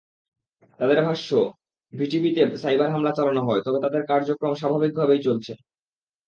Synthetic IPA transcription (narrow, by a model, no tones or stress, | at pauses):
t̪ad̪eɾbʱaʃːo | bʱiʈibit̪esajbaɾɦamlat͡ɕalanoɦɔet̪ɔbet̪ad̪eɾkaɾd͡ʑokɾomʃabʱabik̚bʱabejt͡ɕolt͡ɕʰe